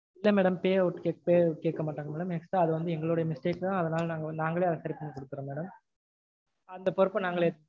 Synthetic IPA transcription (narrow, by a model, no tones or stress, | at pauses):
ɪlːɐmɛːɽɐmpeːʋɯʈːɯkeːpeːkeːʈkːɐmaːʈːaːŋɡɐmeːɽɐmɛksʈɾaːɐðɯʋɐnd̪ɯɛŋɡɐɭɯɽɐjɐmɪsʈeːkːãːɐðɐnaːlnaːŋɡɐnaːŋɡɐɭeːɐðɐsɐɾɪpːɐnːɯkɔɽɯk̪ːɯɾɐmeːɽɐm | ɐnd̪ɐpɔɾɯpːɐnaːŋɡɐɭe